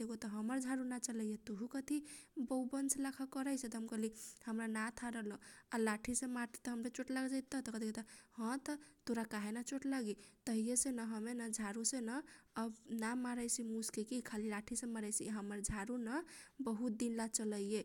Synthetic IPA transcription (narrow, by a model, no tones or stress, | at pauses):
d̪eɡot̪ɔɦəməɾd͡ʒʱaɾunat͡ʃələjet̪uɦukət̪ʰibəwbənslakʰakəɾəjset̪ɦəmkəlihəmɾanat̪ʰaɾəlɔalaʈʰisẽmaɾt̪e̥t̪əɦəmɾet͡ʃoʈlaɡd͡ʒajt̪ːɔt̪ɔkət̪ʰiket̪əhə̃t̪ət̪oɾakaɦenat͡ʃoʈlaɡit̪əɦijesenəɦəmenad͡ʒʱaɾusenaəbnamaɾəjsimuskekikʰalilaʈʰisẽmaɾəjsiɦəməɾd͡ʒʱaɾunabəɦut̪̚d̪inlat͡ʃələjje